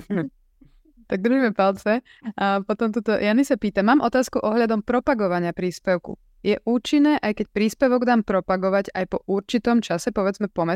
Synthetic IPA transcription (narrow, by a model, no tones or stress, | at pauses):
t̪aɡ̚d̪ɾ̩ʒimɛpalt͡sɛ | pɔt̪ɔmt̪ut̪ɔjanisapiːt̪amːaːmʔɔt̪aːskuʔɔɦʎad̪ɔmpɾɔpaɡɔʋaɲɪapɾiːspɛʊkṵ | jɛʔuːt͡ʃinːɛːʔajkɛc̚pɾiːspɛʋɔɡd̪aːmpɾɔpaɡɔʋaɟajpɔʔuɾt͡ʃit̪ɔmt͡ʃasɛpɔʋɛd͡zmɛpɔmɛ